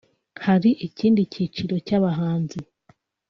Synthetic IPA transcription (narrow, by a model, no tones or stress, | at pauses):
haɾiʔiciːndicit͡ʃiɾo̞caβaɦaːnze